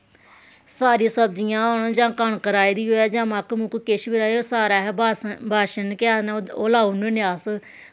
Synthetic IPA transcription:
saːɾĩːsəb̚d͡ʒijãːoːnd͡ʒãːkəɳkəɾaːid̪iːɦoːɛːd͡ʒãːmakmʊkkɪʃbiɾaːoːsaːɾaːɦɛːbbʱaːʃənkɪaːnoːlaːununɪaːs

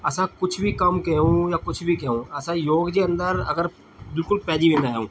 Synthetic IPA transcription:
ɐsãːkʊt͡ʃʰbʱikɐmkɛũːjaːkʊt͡ʃʰbʱikɛːũːɐsãjoːɡd͡ʒeːə̃nd̪əɾɐ̰ɡəɾ | bɪlkʊlpɛːd͡ʒiʋẽnd̪aːɦɛũː

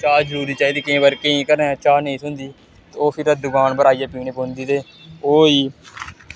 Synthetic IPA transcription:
t͡ʃaːd͡ʒəɾuːɾiːt͡ʃaːiːd̪iːkɪẽːbəɾkeĩːkəɾneːt͡ʃaːnəĩːsʊnd̪iː | t̪ːoːpʰɪɾəd̪ʊɡaːnbəɾaːijaːpiːɳ̃eːpoːnd̪iːt̪eː | oːiː

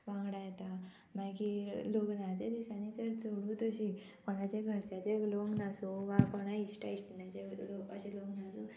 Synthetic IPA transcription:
ʋãŋɡɽajt̪a | mãkiloɡnat͡sed̪isanit̪əɾt͡səɽũt̪əɕi | pəɽ̃at͡ɕeɡʱəɾsat͡ɕeloɡnasoʋapəɽ̃aiɕʈaiʈnjat͡ɕeloəɕiloɡnasu

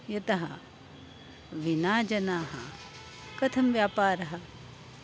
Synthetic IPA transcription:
jɐt̪ɐɦɐ | ʋinaːd͡ʒɐnaːɦɐ̰ | kɐt̪ʰɐmʋjaːpaːɾɐɦɐ̆

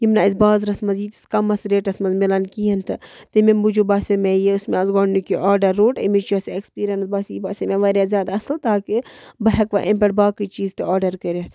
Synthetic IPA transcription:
jimnaisbaːzɾɐsmɐziːt̪i̥skɐmɐsɾeːʈɐsmɐzmilɐnkiɦɐnt̪ʰɨ | t̪ɨmembud͡ʒubaːsʲemeːjeʊsmeɐzɡɔːɳnukʲiʔɔːɾɖɐɾːoːʈimit͡ʃosekspiːɾʲɐnsbaːsibaːsemeʋɐɾjaːzjaːd̪ɐslt̪aːkibɐɦɐkʋa̰ʔempʲɐʈ̚baːkit͡ʃiːzt̪ɨaːɖɐɾkəɾet̪ʰ

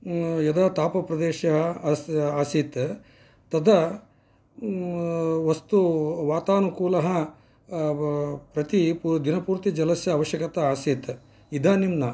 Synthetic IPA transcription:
jɐd̪ɐt̪aːpɐpɾɐd̪eːʃɐɦɐaːsit̪ | t̪ɐd̪ʱɐ | ʋɐst̪uʋaːt̪aːnukuːlɐɦɐ | pɾɐt̪ipud̪inɐpuːɾt̪id͡ʒɐlɐsjɐːʋɐʃjɐkɐt̪ɐaːsit̪ | id̪ʱaːnimnɐ

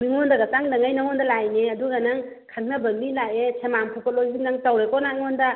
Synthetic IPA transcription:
miŋɔndaɡataŋdaŋajnaŋɔndalajneɐduɡanaŋ | kʰaŋnabɐmilajesʰemampʰupʰɔt̚lojzinnaŋtawɾekɔnaŋɔnda

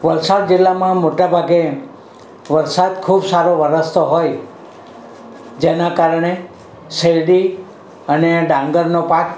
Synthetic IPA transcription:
ʋəlsad̪̚d͡ʒɪlːamãmoʈabʱaɡe | ʋəɾsad̪̚kʰubsaɾoʋəɾəst̪ʰoɦoj | d͡ʒenãkaɾəɳ̃e | səjɖi | əneɖãŋɡəɾnopak

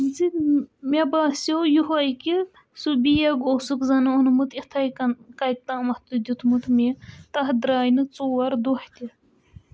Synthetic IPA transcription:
zimʲebaːsjojuɦajki | subijɐɡosukzɐnɨunmut̪it̪ʰajkɐjk̚t̪aːmɐt̪ud̪ʲut̪ʰmut̪mit̪ɐɦd̪ɾaːjnɨt͡soːwɐɾd̪oht̪ʲi

